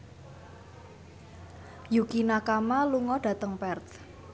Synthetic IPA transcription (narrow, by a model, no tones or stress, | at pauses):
jukinakamaluŋɔɖ̥a̤t̪əŋpɛrt̪